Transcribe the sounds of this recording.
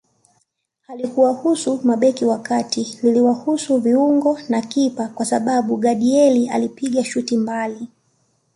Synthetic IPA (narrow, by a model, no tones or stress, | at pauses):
halikuwahusumaɓɛkiwakatililiwahusuviuŋɡɔnakipakwasaɓaɓuɠaɗiɛlia̰lipiɠaʃutimbali